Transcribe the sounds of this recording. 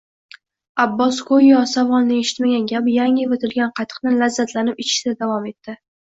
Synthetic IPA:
abːɒskʰojːɒsavɒnnɪe̞ʃɪ̥t̪maɡʲanɡʲapjaŋɪvot̪ʰɪlɡʲanqʰɑt̪ʰɨ̥qnɪlazːat̪ʰlanɪpɪt͡ʃʰɪ̥d̪ad̪avɒme̞t̪ʰːɪ

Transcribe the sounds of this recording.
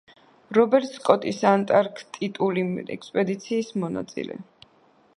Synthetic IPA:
ɾɔbɛɾt̪ʼskʼɔt̪ʼisant̪ʼaɾkʰt̪ʼit̪ʼuliɛ̰kspʼɛd̪it̪sʰiːsmɔna̰t̪sʼḭlɛ̰

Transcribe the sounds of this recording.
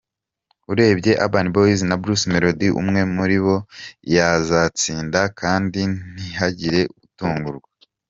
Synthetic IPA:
uɾe̞ːbɟe̞ʔa̰baniboizinabɾusme̞ɾo̞diʔṵmŋe̞muɾiβo̞jazat͡siːndakaːndin̥ihaɟiɾe̞utuːŋɡuɾɡwa

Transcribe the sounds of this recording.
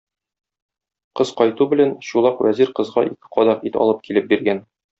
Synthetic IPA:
qɤz̥qɒjt̪ubɘ̆lænɕulˠɑqwæziɾqɤ̆zʁɑʔḭkɘ̥qɒd̪ɑqit̪ɒ̰lˠɤp̚kilɘp̚biɾɡæn

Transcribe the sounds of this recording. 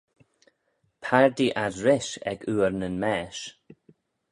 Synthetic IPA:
pʰaɹd̪iʔadɹɪʃɛ̰ɡuːɹnənmɛːʃ

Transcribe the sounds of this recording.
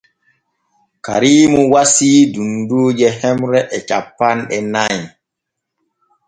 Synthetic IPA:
ka̰ɾiːmuwasiːdundud͡ʒɛhɛmɾɛʔɛt͡ʃa̰pːanɗɛnaj

